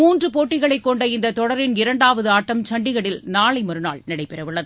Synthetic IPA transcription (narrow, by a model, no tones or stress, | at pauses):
uːndrɯpoːʈːɪɣɐɭɐɪkːɔɳɖɐɪnd̪ɐt̪ːɔɽɐɾɪnɪɾɐɳɖaːʋɐðɯaːʈːɐmt͡ʃɐɳɖɪɣɐɽɪlnaːɭɐɪmɐɾɯna̰ːɭnɪɽɐɪpːɛɾɐʋɪɭːɐðɯ